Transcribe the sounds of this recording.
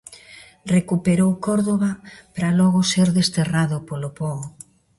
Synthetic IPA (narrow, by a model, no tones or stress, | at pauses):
rekupeɾowkɔɾðoβapɾalɔɣʊseɾðest̪eraðʊpolopɔ